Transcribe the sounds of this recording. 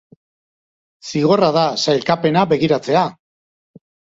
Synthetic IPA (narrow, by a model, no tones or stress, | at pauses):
siɣ̞o̞raðasajlkape̞nabe̞ɣiɾat͡se̞a